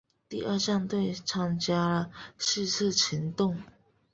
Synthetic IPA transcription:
t̪i˥˧ʔə˥˧ʂɑ˥˧ŋt̪we˥˩ɪʈ͡ʂʰɑ˧˥ŋt͡ɕja˥lə˨ʂɻ̩˥˧t͡s̩ʰ˥˨t͡ɕʰi˧˥˦nt̪ʊ˥˨ŋ

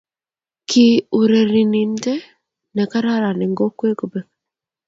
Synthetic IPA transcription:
kʰi˦u˨ɾe˨ɾi˨ni˨nte˦ | nɛ˨ka˦ɾa˦ɾa˨nɛ˨ŋɡo˦kwe˦ko˨be˨

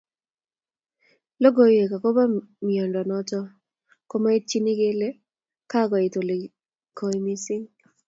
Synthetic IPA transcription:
lo˦ɡo˨˦je˨ka˨ko˦ba˦mɪ˨ɔ˨ndɔ˨nɔ˦t͡ʃɔ˦ | ko˦ma˦ɪ˦t̚t͡ʃi˦nɪ˦ɡe˦le˦ | ka˦ɡɔ˨ɪ˨to˨le˨ | kʰo˨i˦mɪ˦sɪ˦ŋ

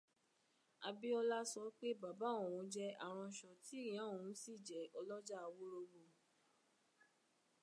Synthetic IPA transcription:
a˧bi˦ɔ˧la˦sɔ˧˦k͡pe˦ba˨ba˨˦õ˨ɾ̃ũ˨˦d͡ʒɛ˦a˨ɾ̃ɔ̃˧˨ʃɔ˨tĩ˨˦˨ã˨˦õ˨ũ˨˦si˦˨d͡ʒɛ˨ɔ˧lɔ˦d͡ʒa˦˧wo˦ɾo˧bo˧˨

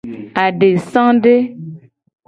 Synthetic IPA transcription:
a˨ɖe˨sã˦ɖe˦

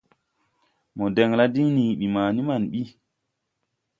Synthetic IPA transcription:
mɔ˨dɛ˨ŋla˦di˦ŋni˨ɓi˨maː˨ni˦ma˨nɓi˦

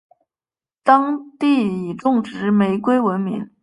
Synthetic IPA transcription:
t̪ɑ˥ŋt̪i˥˩i˨˩ʈ͡ʂʊ˥˩ŋʈ͡ʂɻ̩˧˥me˧˥ɪkwe˥ɪwə˧˥nmḭ˧˥ŋ

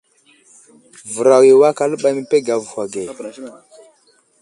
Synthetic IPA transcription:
və˨ɾa˨wi˨wa˦ka˦lə˦ɓa˦mi˦pe˦ɡa˨vu˨ha˨ɡe˨

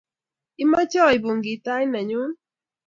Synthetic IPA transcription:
ɪ˦ma˦t͡ʃɔ˦i˨bo˨ŋɡi˨ta˦jna˨ɲʊ˦n

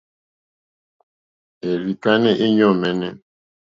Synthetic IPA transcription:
e˨ɾi˨ka˦nɛ˦ʔe˦ɲɔ˦˨mɛ˨nɛ˦

